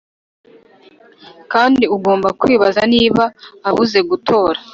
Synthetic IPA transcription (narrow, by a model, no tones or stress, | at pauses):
kaːndiuɡo̞ːmbakwiːβazaniːβaːβuze̞ɡutʰo̞ːɾa